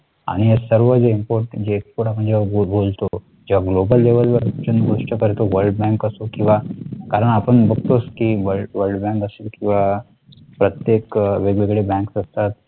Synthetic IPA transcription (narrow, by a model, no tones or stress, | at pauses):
a̰ɽ̃iesəɾʋəd͡zeimpoɾʈd͡ʑeːkspoɾʈapəɳd͡ʑeʋabolt̪o | d͡ʑeʋaɡlobəlːeʋəlʋəɾt͡ɕunɡoʂʈəkəɾet̪oʋəɾɖbɛ̃ŋkəsokĩw̃ʋakaɾəɳapəɳbʱəɡ̚t̪oskiʋəʋəɾɖbɛ̃ŋkəselkĩw̃ʋa | pɾət̪jekʋeɡʋeɡɭebɛ̃ŋksəst̪at̪̚